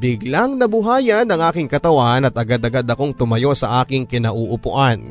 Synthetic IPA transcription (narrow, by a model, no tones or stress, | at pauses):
bɪɡlaŋnɐbʊɦaːjɐnɐŋʔaːkɪŋkɐt̪ɐwanɐt̪ɐɡad̪ɐɡad̪ɐko̞ŋt̪ʊmɐjo̞sɐʔaːkɪŋkɪnɐʔuʔʊpʊʔan